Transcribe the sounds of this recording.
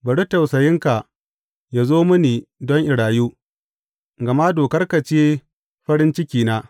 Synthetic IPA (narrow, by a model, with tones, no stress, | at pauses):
bɐ˨ɽu˦tɐ˨wsɐ˨jɪ˦ŋka˨ | ja˨zoː˦mʊ˦niː˨dɔ˦ŋʔɪ˨ɽaː˨juː˦ | ɡɐ˨maː˦doː˨kɐ˦rka˨t͡ʃeː˦ | ɸɐ˦ɾɪ˦nt͡ʃɪ˦kʲiː˨naː˦